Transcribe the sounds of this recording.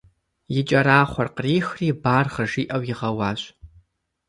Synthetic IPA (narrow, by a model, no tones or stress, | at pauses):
jɪt͡ʃʼɐɾaːχʷɔrqəriːxriːbaːrʁɐʐiːʔɐwjɪʁɐwɑːɕʼ